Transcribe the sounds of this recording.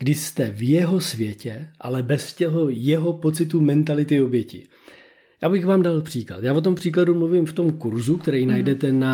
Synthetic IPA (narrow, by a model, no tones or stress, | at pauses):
ɡ̥dɪʃst̪ɛvjɛɦo̞svjɛcɛʔa̰lɛbɛscɛɦo̞jɛɦo̞po̞t͡sɪt̪̬umɛnt̪alɪt̪ɪobjɛcɪ̰ | jaːbɪxvaːmdalpr̝̥iːkla̰t̪jaːvo̞t̪̬o̞mpr̝̥iːkladumluvimft̪o̞mkuɾzukt̪ɛɾɛjnajdɛt̪ɛna